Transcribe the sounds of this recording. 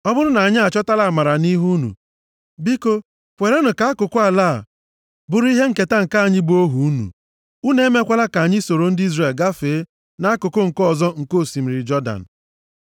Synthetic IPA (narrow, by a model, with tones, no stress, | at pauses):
ɔ˦bʊ˦ɾʊ˦na˨a˨ɲɪ˦a˨t͡ʃɔ˦ta˦la˨a˨ma˨ɾa˨ni˦ɦu˦nṵ˨ | bi˦ko˦ | kʷe˨ɾe˦nʊ˨ka˨a˦kʊ˨kʊ˦a˨la˦˨ | bʊ˦˨ɾʊ˦i˦ɦe˦ŋ̩˨ke˨ta˦ŋ̩˨ka˦a˨ɲɪ˦bu˦o˦ɦu˨u˦nṵ˨ | u˦ne˨˦me˦kʷa˦la˦ka˨ɲɪ˦so˨ɾo˨n̩˦di˦zre˨lɡa˦feː˨˦ | na˨˦a˦kʊ˨kʊ˦ŋ̩˨kɔ˨zɔ˦ŋ̩˨ko˦˨si˨m̩˨ɾɪ˨d͡ʒɔ˦da̰˨n̩˨